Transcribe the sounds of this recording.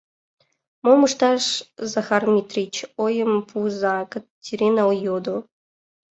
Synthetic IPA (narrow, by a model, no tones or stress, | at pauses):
momuʂt̪ɑʂzaxarmʲit̪rʲit͡ɕojəmpʰuzakətʲːiɾʲenaojod̪o